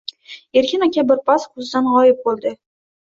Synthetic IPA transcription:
e̞ɾkʲʰɪnakʲabɪɾpʰasqʰʊzd̪anʁɒjɪp̚bolˠd̪ɪ

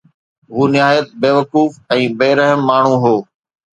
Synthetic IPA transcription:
ɦuːnɪɦaːjət̪̚beːʋɐkuːfɛ̃ːbeːɾəɦəmːaːɳ̤ũɦoː

